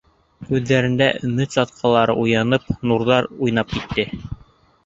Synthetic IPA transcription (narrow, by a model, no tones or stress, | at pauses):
ʉðːæɾɘ̆nd̪æ̰nɘsɑt̪̚qʰɑlˠɑɾɤ̰ʔujɑnɤpnuɾðɑɾujn̪ɑp̚kit̪ːɘ